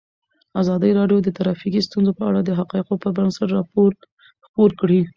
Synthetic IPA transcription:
azɑd̪əɾɑɖjod̪ət̪aɾɑfikist̪unzopəa̰ɽad̪əɦaqɑɪqopəbansaʈɾɑpoɾ | xpoɾkɽi

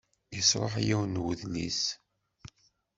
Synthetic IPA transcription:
jəsˤɾˤəħajæwnwəðlḭs

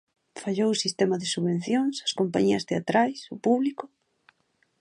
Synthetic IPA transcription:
faʎowsist̪ɛmɐðesuβẽn̟θjoŋsɐskompaɲiɐst̪eat̪ɾajsʊpuβlikʊ

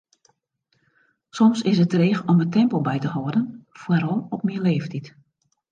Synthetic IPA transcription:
sɔmsɪsətreːxɔmətɛmpəlˠbɛjtəhɔːdənfwəɾɔlˠɔpmiəleːftit

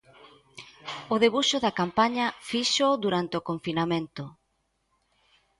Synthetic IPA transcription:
ʊðeβuʃʊðɐkampaɲɐfiʃod̪uɾant̪eokoɱfinamẽnt̪ʊ

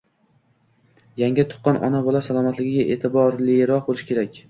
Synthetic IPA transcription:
jaŋʲɪt̪ʰʊ̥qːɑnʔɒ̰nabɒlˠasalˠɒmat̪lɪɡʲɪɡʲaʔe̞ːt̪ʰɪbɒɾleɾɒqbolˠɪʃɪ̥kʲʰe̞ɾakʲ

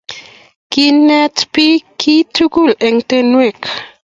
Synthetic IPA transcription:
kinɛtpikʰitukulɛŋt̪enwek

